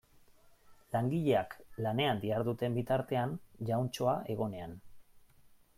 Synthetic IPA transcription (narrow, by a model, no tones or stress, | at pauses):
laŋɡiʎe̞aklane̞and̪iaɾðut̪e̞mbit̪aɾt̪e̞anʝawnt͡ʃo̞aʔe̞ɣo̞ne̞an